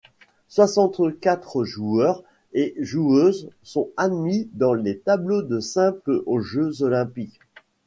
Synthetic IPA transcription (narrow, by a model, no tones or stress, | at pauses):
swasɑ̃t̪kʲat̪χʒuœʁ | eʒuøzsɔ̃ad̪mid̪ɑ̃let̪ablod̪əsɛ̃plʔoʒøzɔlɛ̃pik